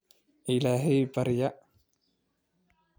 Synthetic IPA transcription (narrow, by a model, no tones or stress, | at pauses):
ʔɪlaːɦɛjbɐɾɪjɐ